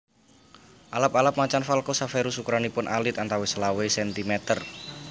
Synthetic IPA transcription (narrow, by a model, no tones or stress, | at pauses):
ʔalapalap̚mat͡ʃanfalkɔsafeɾusukɾanipʊnʔalɪt̪ant̪awesəlawesɛnt̪imɛt̪ər